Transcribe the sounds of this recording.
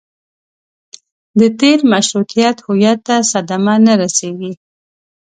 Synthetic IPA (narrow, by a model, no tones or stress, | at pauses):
d̪ət̪eɾmaʃɾukijat̪hʊjat̪ːasad̪amanaɾaseɡi